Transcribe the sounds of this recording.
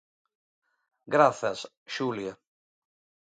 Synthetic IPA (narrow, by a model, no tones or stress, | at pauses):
ɡɾaθas | ʃulja